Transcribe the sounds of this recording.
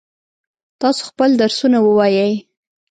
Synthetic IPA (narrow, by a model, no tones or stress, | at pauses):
t̪ɑso̥xpəld̪aɾsunawəwɑjəj